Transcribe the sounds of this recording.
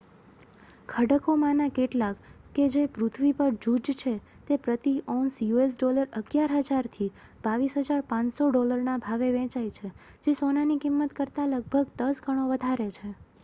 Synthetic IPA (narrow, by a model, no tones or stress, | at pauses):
kʰəɽəkomãnakeʈlakː | ed͡ʒepɾʊt̪ʰʋipəɾd͡ʒud͡ʒt͡ʃʰe | t̪epɾət̪iʔɔnsjues̬ɖoləɾəɡjaɾɦəd͡ʒaɾt̪ʰib̥aʋisɦəd͡ʒaɾpãsoɖoləɾnabʱaʋeʋɛ̃t͡ʃajt͡ʃʰed͡ʒesonanikimːət̪kəɾt̪aləɡ̚bʱəɡd̪əsɡʱəɽ̃oʋəd̪ʱaɾet͡ʃʰe